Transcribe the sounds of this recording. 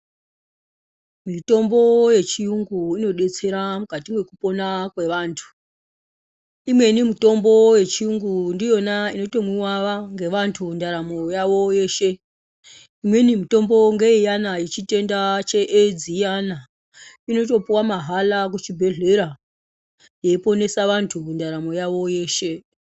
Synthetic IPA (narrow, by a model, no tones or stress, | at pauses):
mito̞mbo̞je̞t͡ʃiuŋɡuino̞ɗe̞t͡se̞ɾamukatimwe̞kupo̞nakwe̞ʋaːntʰu̥ | imwe̞nimito̞mbo̞je̞t͡ʃiuŋɡundijo̞naino̞to̞mwiwaʋaŋɡe̞ʋantʰundaɾamojaʋo̞je̞ːʃe̞ | imwe̞nimuto̞mbo̞ŋɡe̞ijanajit͡ʃite̞ndat͡ʃe̞ʔed͡zijana | ino̞t̬o̞puwamaɦalak̬ut͡ʃibʱe̞ɮe̞ɾa | je̞ipo̞ne̞saʋantʰundaɾamo̞jaʋo̞je̞ːʃe̞